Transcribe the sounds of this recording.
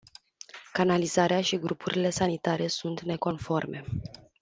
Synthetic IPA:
kanalizaɾeaʃiɡɾupuɾʔile̞sanit̪aɾe̞sunt̪ne̞ko̞nfo̞rme̞

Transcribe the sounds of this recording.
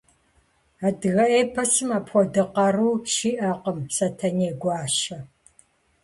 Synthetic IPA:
aːdɨɣɐʔeːpʰɐsɨmaːpxʷɔdɨqɐruːʃiːʔɐqəmsɐtʰɐneːɡʷɑːʃɐ

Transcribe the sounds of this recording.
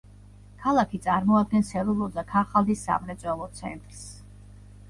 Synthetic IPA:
kʰalˠakʰit̪sʼaɾmɔad̪̚ɡɛnsɛɾulˠɔd̪akʰaχalˠd̪isːa̰mɾɛt̪sʼwɛlˠɔt̪sʰɛ̰nt̪ʼɾs

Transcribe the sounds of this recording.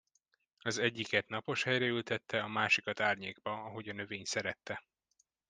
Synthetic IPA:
ɒzɛɟːikɛt̪nɒpo̞ʃhɛjɾɛylt̪ɛt̪ːɛɒmaːʃikɒt̪aːrɲeːɡ̚bɒɒɦo̞ɟɒnø̞veːɲsɛɾɛt̪ːɛ

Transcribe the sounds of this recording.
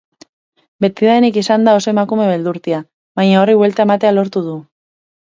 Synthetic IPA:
be̞t̪iðaenikisand̪ao̞so̞e̞makume̞βe̞ld̪uɾt̪ia | βajɲao̞riβwe̞lt̪ae̞mat̪e̞alo̞ɾt̪uð̞u

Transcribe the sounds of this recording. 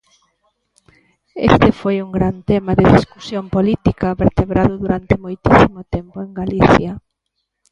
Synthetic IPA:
ḛst̪ɪfojuŋɡɾant̪emaðɪðiskusjompolit̪ikɐβeɾt̪eβɾaðʊðuɾant̪ɪmojt̪isimot̪empʊeŋɡaliθjɐ

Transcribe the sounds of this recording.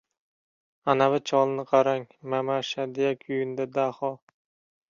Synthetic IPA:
anavat͡ʃʰɒlˠnɪqʰɑɾaŋmamaʃad̪ejakʲʰʊjɪnd̪ad̪ahɒ

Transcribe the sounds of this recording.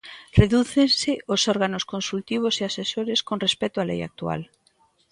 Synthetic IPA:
reðuθensɪosɔɾɣanoskonsult̪iβ̞oseasesoɾeskonrespɛt̪oalɛ̰ja̰k̚t̪ua̰l

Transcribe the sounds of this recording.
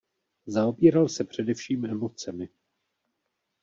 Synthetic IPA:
zao̞biːɾalsɛpr̝̥ɛdɛfʃiːmʔɛmo̞t͡sɛmɪ

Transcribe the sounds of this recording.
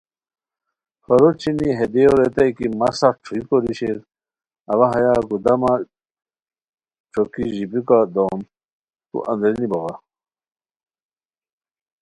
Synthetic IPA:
xɐɾoɾt͡ɕʰiniɦed̪eoɾet̪ɐjkimɐsaʈ͡ʂʰuikoɾiɕeɾ | ɐʋaɦɐjaɡud̪ɐma | ʈ͡ʂʰokiʑibikad̪om | t̪ṵʔɐ̰̃nd̪ɾiniboɣa

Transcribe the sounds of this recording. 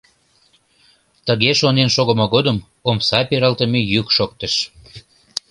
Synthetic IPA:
t̪əɣeʃonenʃoɣəmoɣod̪əm | omsɑpeɾɑlt̪əmejykʃok̚t̪əʃ

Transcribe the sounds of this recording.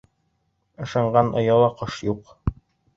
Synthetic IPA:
ɤ̆ʃɑɴɢɑnʔŏ̰jɑlˠɑqɤʃjuq

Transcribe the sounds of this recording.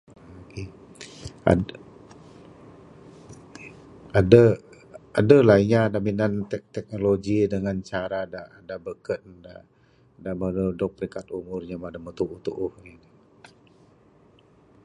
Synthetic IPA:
oke | a̰ | adə | adəlaiɲadaminant̪ɛt̪ɛk̚noloɡidəŋant͡ʃaɾada | dabəkət̪̚da̰ | damənudʊk̚pɾiŋkat̪̚umʊrɲamadamət̪uʔuht̪uʔʊhin

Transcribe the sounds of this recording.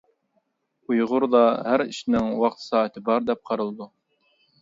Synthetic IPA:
ujʁʊɾd̪ɑhæɾɪ̰ʃnɪŋwɑqt̪ʰɨ̥sɑæt̪ɪbɑɾd̪ɛp̚qʰɑɾɤlˠd̪u

